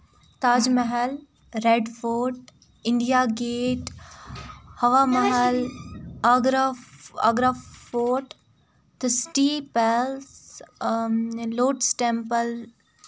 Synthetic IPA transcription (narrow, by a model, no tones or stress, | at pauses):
t̪aːd͡ʒməɦəl | ɾeɖfoːʈ | ɪɳɖijaːɡeːʈ | hɐʋaːmɐɦəl | ɡɾa̰ɡɾafoːʈ | t̪ɨsʈiːpɛls | loːʈsʈẽmpəl